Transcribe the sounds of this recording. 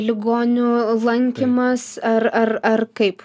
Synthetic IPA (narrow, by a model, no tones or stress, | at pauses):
lʲɪɡoːnʲʊlˠɐŋʲkʲɪmɐsɐrɐrɐrkɐɪp